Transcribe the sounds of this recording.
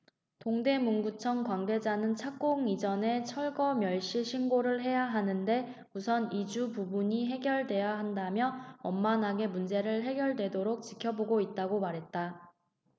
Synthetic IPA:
toŋde̞muŋɡut͡ɕʰʌŋkwanɡe̞d͡ʑanɯnt͡ɕʰak͈oŋid͡ʑʌne̞t͡ɕʰʌɭɡʌmjʌɭɕ͈iɕʰinɡoɾɯɭɦe̞jaɦanɯnde̞ | musʰʌnid͡ʑupubuɲiɦe̞ɡjʌɭdwe̞jaɦandamjʌʌmmanɦaɡe̞mund͡ʑe̞ɾɯɭɦe̞ɡjʌɭdwe̞doɾok̚t͡ɕ͈ikʰjʌboɡoit̚t͈aɡomaɾɦe̞t̚t͈a

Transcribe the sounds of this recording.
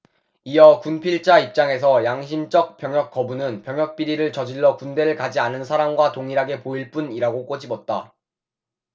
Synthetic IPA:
ijʌkunpʰiɭt͡ɕ͈aip̚t͡ɕ͈aŋe̞s̬ʰʌjaŋɕ̬ʰimt͡ɕ͈ʌk̚p͈jʌŋjʌk̚k͈ːʌbunɯnpjʌŋjʌk̚p͈iɾiɾɯɭt͡ɕʌd͡ʑiɭːʌkunde̞ɾɯɭkad͡ʑianɯnsʰaɾamɡwatoŋiɾaɡe̞poiɭp͈uniɾaɡok͈ʌd͡ʑibʌt̚t͈a

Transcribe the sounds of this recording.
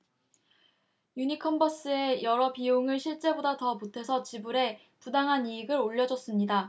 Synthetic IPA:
juɲikʰʌmbʌs͈ɯe̞jʌɾʌpioŋɯɭɕʰiɭt͡ɕ͈e̞bodatʌmotʰe̞sʰʌt͡ɕibuɾe̞ | pudaŋɦaniːɡɯɾoʎːʌd͡ʑʌs͈ɯmɲida

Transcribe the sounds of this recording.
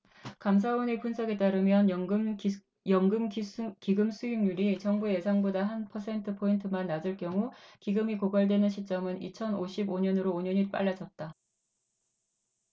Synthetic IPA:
kams̬ʰawʌne̞punsʰʌɡe̞t͈aɾɯmjʌn | jʌŋɡɯmkiɡɯmsʰuiŋɲuɾit͡ɕʌŋbuje̞sʰaŋbodaɦanpʰʌsʰe̞ntʰɯpʰointʰɯmanːad͡ʑɯɭkjʌŋukiɡɯmikoɡaɭdwe̞nɯnɕʰit͡ɕ͈ʌmɯnit͡ɕʰʌnoɕʰiboɲʌnɯɾoːɲʌɲip͈a̰ɭːad͡ʑʌt̚t͈a

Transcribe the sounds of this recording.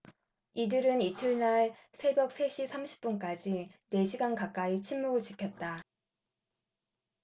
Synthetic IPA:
idɯɾɯnitʰɯɭnaɭsʰe̞bjʌk̚s͈ʰe̞ɕʰipsʰamɕʰi̥p̚p͈unk͈ad͡ʑine̞ɕʰiɡankak͈ait͡ɕʰimːuɡɯɭt͡ɕikʰjʌt̚t͈a

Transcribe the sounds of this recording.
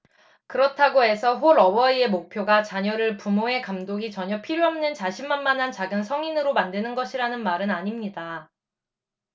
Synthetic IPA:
kɯɾʌtʰaɡoe̞sʰʌɸoɾʌbʌie̞mok̚pʰjoɡat͡ɕaɲʌɾɯɭpumoe̞kamdoɡit͡ɕʌɲʌpʰiɾjoɦʌmnɯnt͡ɕaɕʰimmanmanɦant͡ɕaɡɯnsʰʌŋinɯɾomandenɯnɡʌɕʰiɾanɯnmaɾɯnaɲimɲida

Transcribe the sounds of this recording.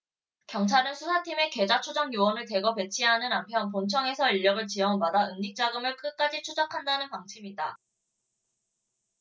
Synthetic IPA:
kjʌŋt͡ɕʰaɾɯnsʰusʰatʰime̞ke̞d͡ʑat͡ɕʰod͡ʑʌŋjuwʌnɯɭte̞ɡʌpe̞t͡ɕʰiɦanɯnampʰjʌnpoŋt͡ɕʰʌŋe̞sʰʌiɭjʌɡɯɭt͡ɕiʌŋbadaɯŋɲik̚t͡ɕ͈aɡɯmɯɭk͈ɯk͈ad͡ʑit͡ɕʰud͡ʑakʰandanɯnpaŋt͡ɕʰimida

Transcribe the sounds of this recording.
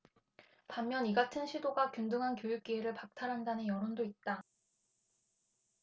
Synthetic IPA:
pamːjʌniɡatʰɯnɕʰidoɡakjundɯŋɦankjojuk̚k͈ieɾɯɭpak̚tʰaɾɦandanɯnjʌɾondoit̚t͈a

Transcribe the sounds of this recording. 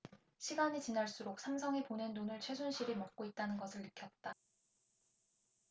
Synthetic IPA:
ɕʰiɡaɲit͡ɕinaɭs͈uɾok̚s͈ʰamsʰʌŋipone̞nːunɯɭt͡ɕʰwe̞sʰunɕʰiɾimʌk̚k͈oit̚t͈anɯnɡʌsʰɯɭːɯkʰjʌt̚t͈a

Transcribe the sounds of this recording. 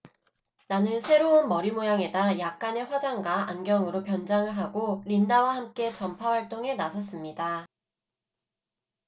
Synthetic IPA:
nanɯnsʰe̞ɾounmʌɾimojaŋe̞dajak̚k͈ane̞ɸwad͡ʑaŋɡwaanɡjʌŋɯɾopjʌnd͡ʑaŋɯɭɦaɡoɾindawahamk͈e̞t͡ɕʌmpʰawaɭt͈oŋe̞nasʰʌs͈ɯmɲida

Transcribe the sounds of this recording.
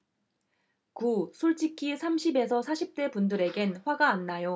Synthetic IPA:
kusʰoɭt͡ɕ͈ikʰisʰamɕʰibe̞sʰʌsʰaɕʰip̚t͈e̞pundɯɾe̞ɡe̞nɸwaɡaːnːajo

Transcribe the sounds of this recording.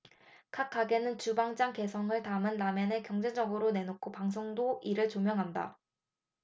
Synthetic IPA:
kʰak͈ʰaɡe̞nɯnt͡ɕubaŋd͡ʑaŋke̞sʰʌŋɯɭtamɯnːamenekjʌŋd͡ʑe̞d͡ʑʌɡɯɾone̞nokʰopaŋs̬ʰoŋdoiɾɯɭt͡ɕomjʌŋɦanda̰

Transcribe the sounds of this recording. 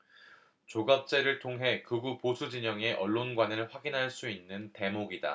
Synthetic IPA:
t͡ɕoɡap̚t͡ɕ͈e̞ɾɯɭtʰoŋɦe̞kɯɡuposʰud͡ʑiɲʌŋe̞ʔʌɭːonɡwanɯɭɸwaɡinɦaɭs͈uinːɯnte̞moɡida̰

